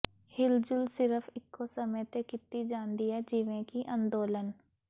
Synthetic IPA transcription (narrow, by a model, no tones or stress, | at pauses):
hɪld͡ʒʊlsɪɾəfʰɪkʰːosəməjt̪ekɪt̪ːid͡ʒaːnd̪iɦɛd͡ʒiːʋẽkiʔə̃nd̪oːlən